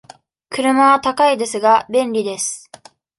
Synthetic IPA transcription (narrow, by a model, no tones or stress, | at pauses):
kɯɾɯ̟maβat̪akaid̪e̞sɨɡabẽ̞nɾʲid̪e̞sɨ̥